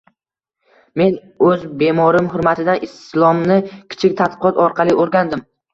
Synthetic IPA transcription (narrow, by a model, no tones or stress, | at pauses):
me̞n | ɵzbe̞mɒɾɪmhʊɾmat̪ʰɪd̪anɪst̪ɪslˠɒmnɪkʲʰɪ̥t͡ʃʰɪk̚ʲt̪ʰat̪̚pɨqʰɒt̪ɒɾqʰɑlˠɪʔoɾɡʲand̪ɪm